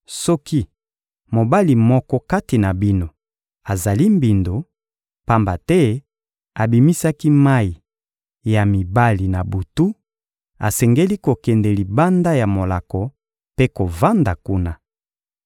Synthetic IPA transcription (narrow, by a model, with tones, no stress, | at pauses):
sɔ˦ki˦ | mo˨ba˦li˨mɔ˦kɔ˦ka˦ti˨na˨bi˦no˨ | a˨za˨li˦mbi˨ndo˨ | pa˦mba˨tɛ˦ | a˨bi˨mi˦sa˦ki˦ma˦i˨ | ja˨mi˨ba˦li˨na˨bu˨tu˦ | a̰˨sɛ˨ŋɡe˦li˦ko˨kɛ˨ndɛ˨li˨ba˦nda˦ja˨mo˨la˨kɔ˨ | pe˦ko˨va˦nda˨ku˦na˨